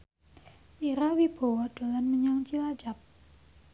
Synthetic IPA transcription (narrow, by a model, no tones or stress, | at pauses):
ʔiɾawib̥a̤wad̪̥o̤lanməɲaŋt͡ʃilḁd͡ʒap̚